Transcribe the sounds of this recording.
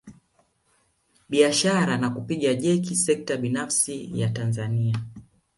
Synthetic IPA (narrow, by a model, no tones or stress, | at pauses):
ɓiaʃaɾanakupiɠaʄɛkisɛk̚taɓinafsijatanzania